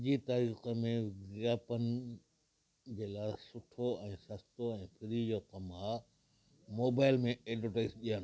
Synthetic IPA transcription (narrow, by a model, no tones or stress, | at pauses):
d͡ʑit̪aːɾiːxəmẽɡaːpənɪ̆ | d͡ʑeːlaːɪsʊʈʰoɛ̃ːsɐst̪oɛ̃ːpʰɪɾid͡ʑoːkɐmaː | moːbaːɪlmẽeːɖəʈeːsɗijən